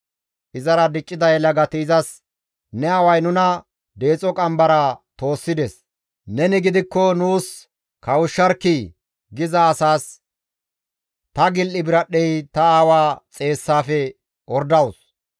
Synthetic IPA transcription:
ʔɪzɐɾɐd̪ɪt͡ʃʼːɪd̪ɐjlɐɡɐt̪iːzɐs | nɛɐwɐjnʊnɐ | d̪e̞ːt͡sʼɔkʼɐmbɐɾɐt̪o̞ːsːɪd̪ɛs | nɛnɪɡɪd̪ɪkːɔnuːs | kɐwʊʃːɐɾkːɪ | ɡɪzɐːsaːs | t̪ɐɡɪlːɪbɪɾɐɗːɛjt̪ɐaːwaːt͡sʼe̞ːsːaːfɛ | ɔɾd̪ɐwʊs

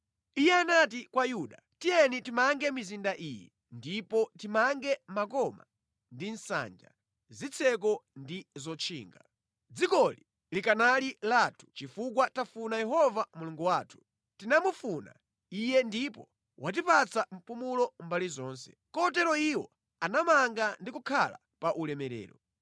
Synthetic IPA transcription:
ijɛanat̬ikwajuɗa | tijɛnitimaŋɡɛmizindaʔiːjɛ̰ | ndipɔtimaŋɡɛmakɔma̰ | ndin̩sa̰nd͡ʒa̰ | zit͡sʰɛk̬ɔndizɔt͡ʃʰḭːŋɡa | d͡zikɔli | likanalilaːtʰu̥t͡ʃifuk̬watafunajɛɦɔvamuluŋɡuwaːtʰu̥ | tinamufuna̰ | ijɛndipɔ | wʔat̬ipat͡sʰam̩pumulɔmbalizɔːnsɛ̥̰kɔt̬ɛɾɔiwɔ | anamaŋɡandikukʰala̰ | paʔulɛmɛɾɛ̰ːɾɔ

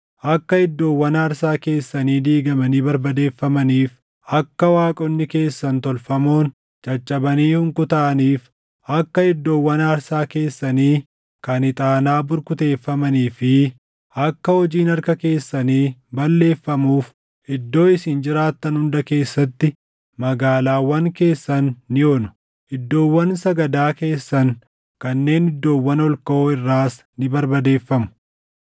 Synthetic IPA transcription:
ʔɐkːɐɪd̪ːo̞ːwːɐnaːɾsaːke̞ːsːɐniːd̪iːɡɐmɐniːbɐɾbɐd̪e̞ːfːɐmɐniːf | ɐkːɐwaːkʼɔnːɪke̞ːsːɐnt̪ɔlfɐmo̞ːn | t͡ʃʼɐt͡ʃʼːɐbɐniːhʊŋkʊt̪ɐʔɐniːf | ɐkːɐɪd̪ːo̞ːwːɐnaːɾsaːke̞ːsːɐniː | kɐnɪt̪ʼaːnaːbʊɾkʊt̪e̞ːfːɐmɐniːfɪ | ʔɐkːɐhɔd͡ʒiːnɐɾkɐke̞ːsːɐniːbɐlːe̞ːfːɐmuːf | ɪd̪ːo̞ːɪsɪnd͡ʒɪɾaːt̪ːɐnhʊnd̪ɐke̞ːsːɐt̪ːɪ | mɐɡaːlaːwɐŋke̞ːsːɐnːɪoːnʊ̥ | ɪd̪ːo̞ːwːɐnsɐɡɐd̪aːke̞ːsːɐŋ | kɐnːe̞ːnɪd̪ːo̞ːwːɐnɔlkɐoɪrːaːs | nɪbɐɾbɐd̪e̞ːfːɐmʊ̥

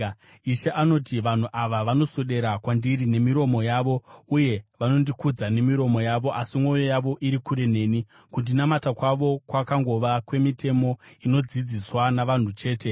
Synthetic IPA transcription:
iʃeʔano̞tiʋan̤uʔaʋaʋano̞soɗe̞ɾakwandiɾine̞miɾo̞mo̞jaːʋo̞uje̞ʋano̞ndikud͡zane̞miɾo̞mo̞jaʋo̞ʔasimwo̞jo̞jaʋo̞ʔiɾikuɾe̞ne̞ːni | kundinamatakwaʋo̞kwakaŋɡo̞ʋakwe̞mite̞mo̞ino̞d͡zid͡ziswanaʋan̤ut͡ʃe̞ːte̞

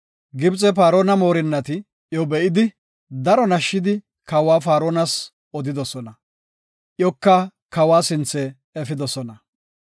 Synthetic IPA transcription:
ɡɪbt͡sʼɛfaːɾoːnɐmo̞ːɾɪnːɐt̪ɪ | jɔbɛʔɪd̪ɪ | d̪ɐɾɔnɐʃːɪd̪ɪ | kɐwaːfaːɾoːnɐs | ɔd̪ɪd̪ɔsɔnɐ | ʔjɔkːɐ | kɐwaːsɪnt͡sːɛ | ɛfɪd̪ɔsɔnɐ

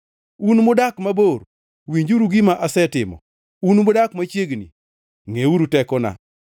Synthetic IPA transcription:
unmʊdakmaboɾ | wiɲd͡ʒuɾuɡimaʔasɛtɪmɔ̰ | unmʊdakmat͡ʃjeɡnḭ | ŋeuɾutɛkɔna̰

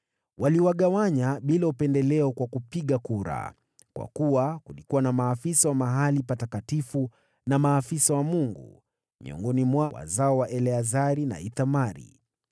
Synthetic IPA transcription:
waliwaɠawaɲaɓilaupɛndɛlɛɔkwakupiɠakuɾa̰ | kwʔa̰kuwakulikuwanamaːfisawamaɦalipatakatifu | namaːfisawamuŋɡṵ | mḭɔ̰ŋɡɔnimwawa̰zaɔwaʔɛlɛazaɾina̰iθamaɾḭ

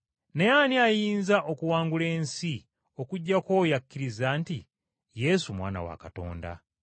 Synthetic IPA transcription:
nejaniajiːnzaʔo̞kuwaːŋɡule̞ːnsi | o̞kuɟːakoːjakːiɾizaːnti | je̞sumwa̰ːna̰wa̰kato̞̰ːnda̰

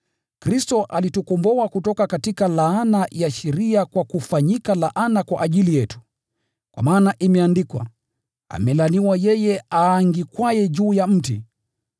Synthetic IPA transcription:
kɾistɔʔalitukɔmbɔakutɔkakatikalaanajaʃɛɾiakwakufaɲikalaʔanakwa̰ʔaʄilijɛtu̥ | kwa̰maːnaʔimɛandikwa̰ | a̰mɛlaniwajɛjɛaːŋɡikwajɛd͡ʒuːjam̩tḭ

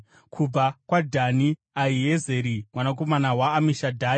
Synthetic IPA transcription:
kʰub͡vakwadʱani | aijezeɾimwanako̞manawaːmiʃadʱaːi

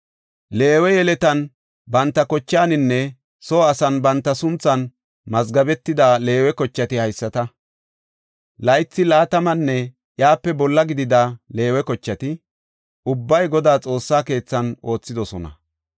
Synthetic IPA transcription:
le̞ːwɛjɛlɛt̪ɐn | bɐnt̪ːɐkɔt͡ʃːaːnɪnːɛ | so̞ːɐsɐnbɐnt̪ːɐsʊnt͡sːɐn | mɐzɡɐbɛt̪ːɪd̪aːle̞ːwɛkɔt͡ʃːɐt̪ɪhɐjsːɐt̪ɐ | lɐjt͡sːɪlaːt̪ɐmɐnːɛ | jaːpːɛbɔlːɐɡɪd̪ɪd̪ale̞ːwɛkɔt͡ʃːɐt̪ɪ | ʊbːɐjɡɔd̪aːt͡sʼo̞ːsːaːke̞ːt͡sːɐno̞ːt͡sːɪd̪ɔsɔnɐ̰

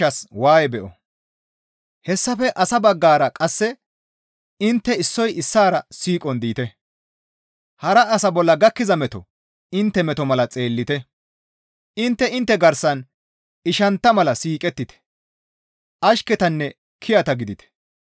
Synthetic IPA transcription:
ɐswaːjɛbɛʔɔ | hɛsːɐfɛʔɐsɐbɐɡːaːɾɐkʼɐsːɛ | ɪnt̪ːɛɪsːɔjɪsːaːɾɐsiːkʼɔnd̪iːt̪ɛ | hɐɾɐɐsɐbɔlːɐɡɐkːɪzɐmɛt̪ɔ | ɪnt̪ːɛmɛt̪ɔmɐlɐt͡sʼe̞ːlːɪt̪ɛ | ɪnt̪ːɛɪnt̪ːɛɡɐɾsɐn | ɪʃɐnt̪ːɐmɐlɐsiːkʼɛt̪ːɪt̪ɛ̥ | ʔɐʃkɛt̪ɐnːɛ | kʰɪjɐt̪ɐɡɪd̪ɪt̪ɛ̥

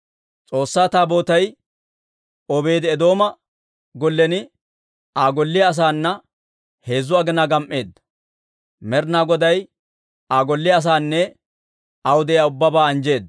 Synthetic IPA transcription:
t͡sʼo̞ːsːaːt̪aːbo̞ːt̪ɐj | ɔbe̞ːd̪ɪɛd̪o̞ːmɐ | ɡɔlːɛnɪ | aːɡɔlːɪjɐːs̬aːnːɐ | he̞ːzːʊɐɡɪnaɡɐmʔe̞ːd̪ːɐ | mɛɾnaːɡɔd̪ɐj | aːɡɔlːɪɐːs̬aːnːɛ | ɐwʊd̪ɛjaːʊbːɐbaːɐnd͡ʒe̞ːd̪ː

